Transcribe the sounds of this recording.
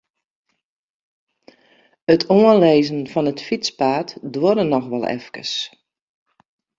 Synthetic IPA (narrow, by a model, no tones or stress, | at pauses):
ətʰoənleːzənfɔnətfit͡spaːtdwoɾənɔxʋɔlˠɛ̰fkə̰s